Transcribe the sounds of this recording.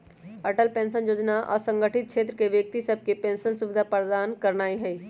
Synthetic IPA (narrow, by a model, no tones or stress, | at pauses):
əʈəlpẽːnsənjoːd͡ʒnaʔɔ̰ːsə̃ŋɡəʈɪt̪̚t͡ʃʰeːt̪ɾəkeʋjək̚t̪isəb̚ʱkepẽːnsənsʊʋɪd̪ʱapəɾd̪aːnkɐɾnaːiɦɛiː